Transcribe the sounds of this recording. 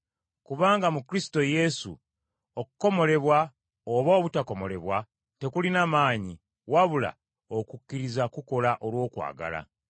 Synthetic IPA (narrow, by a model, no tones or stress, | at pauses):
kuβaːŋɡamukɾisi̥to̞je̞sṵ | okuko̞mo̞le̞βwa | oβoːβutako̞mo̞le̞βwa | te̞kulinamaːɲi | waβula̰ | okukːiɾizakuko̞laʔo̞lwo̞ːkwa̰ːɡa̰la̰